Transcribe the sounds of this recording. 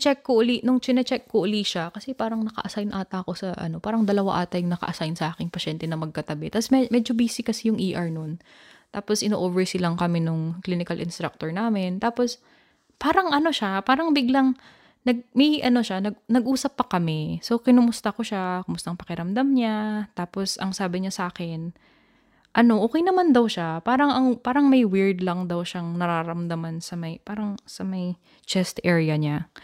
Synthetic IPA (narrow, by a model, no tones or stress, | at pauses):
t͡ʃɛkːoʔʊlinʊŋt͡ʃɪnɛt͡ʃɛkːoʔʊliʃakɐsɛpaːɾɐŋnɐkɐ̰ʔɐsajnʔaːt̪ɐko̞sɐʔɐ̰no̞paːɾɐŋd̪ɐlɐwa̰ʔaːt̪ɐjŋnɐkɐ̰ʔɐsajnsɐʔaːkɪŋpɐʃɛnt̪ɛnɐmɐɡ̚kɐt̪ɐbɛt̪ɐsmɛmɛːd͡ʒobiːsɪkɐsijʊŋʔiːʔɐɹnon | t̪aːposʔɪnoːʔoːvɛɹsɪlɐŋkɐmɛnʊŋkliːnɪkɐlʔɪnst̪ɾak̚t̪oɹnaːmɪnt̪aːpo̞s | paːɾɐŋʔɐno̞ʃapaːɾɐŋbɪɡlaŋ | nɐɡ̚mɐʔɐno̞ʃanɐɡ̚nɐɡʔuːsɐpːɐkɐmɛso̞kɪnʊmʊst̪ɐko̞ʃakomʊst̪ɐʔŋpɐkɪɾɐmd̪amɲat̪aːposʔɐ̰ŋsaːbɪɲasʔaːkɛn | ʔɐno̞ʔoːkɛjnɐmand̪ɐwʃapaːɾɐŋɐŋpaːɾɐŋmɐjwɪɹd̪lɐŋd̪ɐwʃaŋnɐɾaːɾɐmd̪amansɐmɐjpaːɾɐŋsɐmɐj | t͡ʃɛst̪ʔɛɹɪjɐɲa